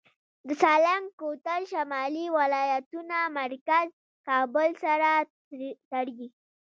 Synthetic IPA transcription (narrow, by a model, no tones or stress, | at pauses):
d̪əsɑlamkot̪alʃamɑliwalɑjat̪unamaɾkaz | kɑbʊlsaɾa | t̪aɽwi